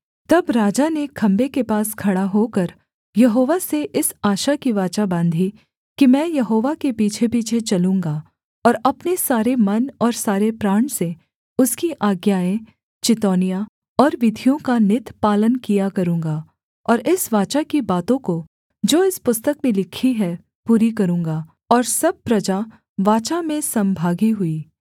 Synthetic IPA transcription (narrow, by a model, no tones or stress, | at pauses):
t̪ɐbɾaːd͡ʒanekʰɐ̃mbekepaːskʰɐɽaɦokɐɾ | jɐɦoːʋaseʔɪsaːʃakiʋaːt͡ʃabãːnd̪ʱi | kimɛ̃ːjɐɦoːʋakepiːt͡ʃʰepiːt͡ʃʰet͡ʃɐlũːŋɡa | ɔːɾɐpnesaːɾemɐnɔːɾsaːɾepɾaːɳ̃se | ʊskiʔaːɡjaːẽ | t͡ʃɪt̪ɔːnija | ɔːɾʋɪd̪ʱijõkanɪt̪paːlənkijakɐɾũːŋɡa | ɔːɾɪsʋaːt͡ʃakibaːt̪õko | d͡ʒoːɪspʊst̪əkmẽlɪkʰiɦɛ | puːɾikɐɾũːŋɡaː | ɔːɾsɐb̚pɾɐd͡ʒa | ʋaːt͡ʃamẽsɐ̃mbʱaːɡiɦʊiː